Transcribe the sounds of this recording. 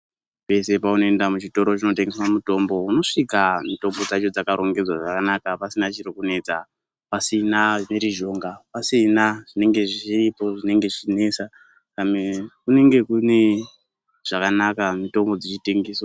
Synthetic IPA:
pe̞se̞pauno̞endamut͡ʃito̞ɾo̞t͡ʃino̞teŋɡeswamuto̞mbo̞uno̞ʂikamito̞mbo̞d͡zat͡ʃo̞d͡zakaɾo̞ŋɡe̞d͡zwaʐakanakapasinat͡ʃirikune̞t͡sa | pasinaʐineɾiʒo̞ŋɡapasinaʐine̞ŋɡe̞ʐit͡ʃiripo̞ʐine̞ŋɡe̞ʐit͡ʃine̞sa | kamekune̞ŋɡe̞kune̞ | ʐ̥akanakamito̞mbo̞d͡zit͡ʃiteŋɡiːswa

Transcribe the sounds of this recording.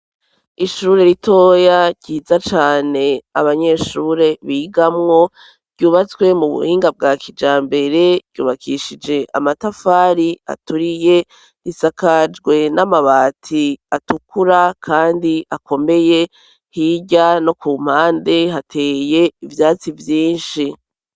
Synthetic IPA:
iʃuːɾe̞ɾitʰo̞ːjaɟiːzat͡ʃaːne̞aβaɲe̞ʃuːɾe̞βiːɡamŋo̞ | ɾɟuːβat͡swe̞muβṵhiːŋɡab̚ɡaːkid͡ʒaːmbe̞ɾe̞ɾɟ̥uːβakʰiʃid͡ʒe̞ʔa̰matafaːɾia̰tuɾije̞ | ɾisakad͡ʒɡwe̞namaβaːtʰiatukʰuɾakʰaːndiʔakʰo̞me̞je̞ | hiɟano̞kuːm̥haːnde̞ɦatʰe̞ːje̞ivjaːt͡sivjiːnʃi

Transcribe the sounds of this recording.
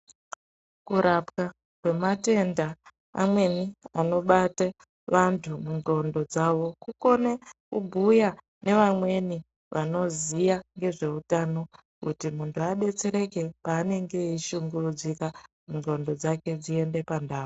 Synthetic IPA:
kuɾapka | kwe̞mate̞nda̰ː | mwe̞niano̞ɓata | ʋantʰumuŋɡo̞ndo̞d͡zaʋo̞kuko̞nekubʱuja | ne̞ʋamwe̞ni | ʋʔano̞zijaŋɡe̞ʐe̞utano̞ | kutimuntʰuaɗe̞t͡se̞ɾe̞ke̞paːne̞ŋɡe̞iʃuŋɡurud͡zikamuŋɡo̞ndo̞d͡zake̞d͡zie̞nde̞pandaːo

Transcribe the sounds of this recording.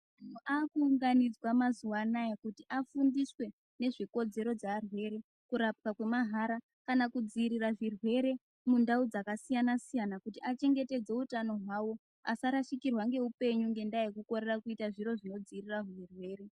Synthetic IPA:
man̤uʔakuːŋɡanid͡zwamazuwanajekutiʔafundiswe̞ | ne̞ʐiko̞d͡ze̞ɾo̞d͡zaːrwe̞ɾe̞ | kuɾap̚kakwe̞maɦaɾa | kanakud͡ziːɾiraʐirwe̞ɾe̞ | mundaud͡zakasijanasijanakutiʔat͡ʃe̞ŋɡe̞te̞d͡ze̞utano̞ɦwawo̞ | asaɾaʃikirwaŋɡe̞upe̞ɲuŋɡe̞ndajekuko̞ɾerakuitaʐiɾo̞ʐino̞d͡ziːriraɦuirwe̞ːɾe̞

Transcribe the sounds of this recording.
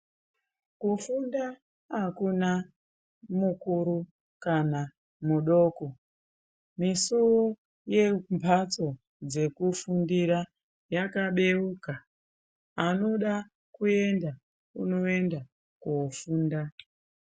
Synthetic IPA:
kufunda | akuna | mukuɾu | kana | muɗo̞ːko̞ | misuwo | je̞mbʰʱat͡so̞ | d͡ze̞kufundiɾa | jakaɓe̞ukaː | no̞ɗa | kue̞nda | uno̞e̞nda | kofuːnda

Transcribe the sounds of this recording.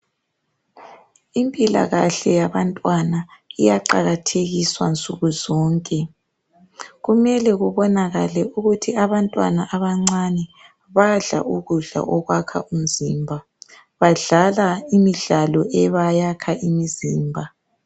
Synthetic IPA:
impʼila̰ɣaɬɛjaβantʼwanaijaǃaɣatʰeɣiswant͡sʼuɣuzɔːŋkʼɛ | ɣumɛlɛɣuβɔnaɣalɛʔuɣutʰiaβantʼwa̰naʔaβaŋ͡ǀanɛ | βaɮa̰ʔuɣuɮa̰ʔɔɣwakʰa̰ʔum̩zimbʱa | βaɮalaimiɮalɔʔɛβajakʰaʔimiziːmbʱa

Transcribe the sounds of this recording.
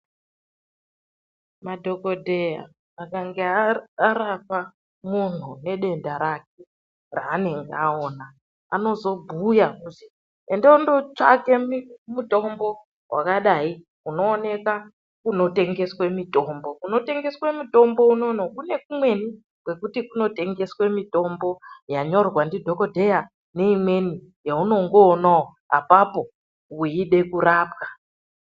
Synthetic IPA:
madʱoko̞dʱeja̰ | akaŋɡeaaɾapa | mun̤une̞ɗe̞ndaɾak̚e | raːne̞ŋɡeaoːna | a̰no̞zo̞bʱujakuti | endoundot͡ʂa̰kemuto̞mbo̞ | wʔa̰kaɗai | uno̞ːne̞ka | kuno̞te̞ŋɡe̞swe̞mito̞mbo̞kuno̞te̞ŋɡe̞swemito̞mbo̞unonokune̞k̚umwe̞ni | kwe̞kutikuno̞te̞ŋɡe̞swe̞mito̞mbo̞jaɲo̞rwandidʱo̞ko̞dʱe̞ja | ne̞imwe̞ni | jauno̞ŋɡoːnao | a̰papo̞ | uiɗe̞kuɾaːp̚kḁ

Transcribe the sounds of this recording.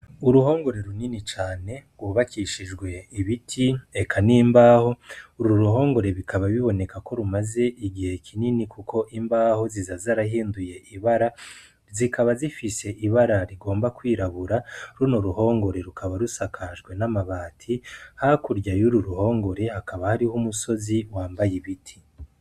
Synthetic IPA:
uɾuɦo̞ːŋɡo̞ɾe̞ɾuninit͡ʃaːne̞ɡwuβakʰiʃiʒɡwe̞iβitʰiekʰanimbaːho̞uɾɾuɾuɦo̞ːŋɡo̞ɾe̞βikʰaβaβiβo̞ne̞kako̞ɾumaze̞ʔiɡihe̞kʰininikukʰo̞ʔimbaːho̞zizazaɾaɦiːnduje̞ʔiβaɾa | zikʰaβazifise̞ʔiβaɾaɾiɡo̞ːmbakwiːɾaβuɾaɾunoɾuho̞ːŋɡo̞ɾe̞ɾukʰaβaɾusakʰaʒɡwe̞namaβaːtʰihakuɾɟajuɾuɾuho̞ːŋɡo̞ɾe̞hakaβahaɾihumuso̞ziwaːmbajiβitʰi̥

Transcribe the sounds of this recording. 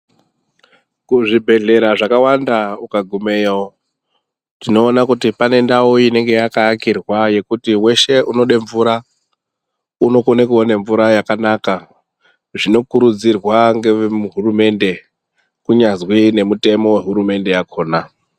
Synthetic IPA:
kuʐibʱe̞ɮe̞ɾaʐakawandaukaɡʱume̞jao | tino̞ːnakutipane̞ndawoine̞ŋɡe̞jakaːkirwaje̞kutiwe̞ʃe̞ʔuno̞ɗeɱvuɾa | uno̞konekuone̞ɱvuɾajakanaka | ʐino̞kuɾud͡zirwaŋɡe̞muɦurume̞nde̞ | kuɲazwine̞mute̞mo̞we̞ɦuɾume̞nde̞jakʰo̞ːna

